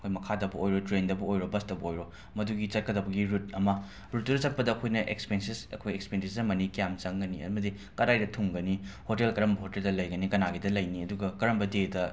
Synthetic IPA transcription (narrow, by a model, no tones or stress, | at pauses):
ɐkʰojmɐkʰadɐbuojɾotɾendɐbuojɾobɐstɐbɐojɾo | mɐduɡit͡ʃɐt̚kɐdɐbɐɡiɾut̚ɐmɐ | ɾut̚ːuɾɐt͡ʃɐt̚pɐdɐːkʰojnɐʔḛkspensisɐkʰojekspendiszɐmɐnikijamt͡ʃɐŋɡɐniɐ̰mɐdi | kɐɾajdɐtʰuŋɡɐnihotelkɐɾɐmbɐhoteldɐlɐjɡɐnikɐnaɡidɐlɐjniɐduɡɐkɐɾɐmbɐdedɐ